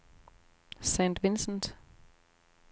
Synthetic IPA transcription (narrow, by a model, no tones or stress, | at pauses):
sɛ̃ntʋɪnsn̩t